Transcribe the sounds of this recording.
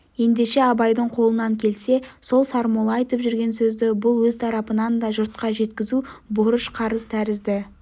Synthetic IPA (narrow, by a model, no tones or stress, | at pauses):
je̞nd̪e̞ʃe̞ɑbɑjd̪əɴqʰo̞lˠənɑŋkʲʰe̞lse̞so̞lˠsɑɾmolˠɑɑjt̪əpʒʏɾɡʲe̞nsɵzd̪ɪbʊlˠwɵzt̪ʰɑɾɑpənɑnd̪ɑʒʊɾt̪̚qɑʒe̞t̪kʲɪzubʊɾəʃqʰɑɾəz̥t̪ʰæɾɪzd̪ɪ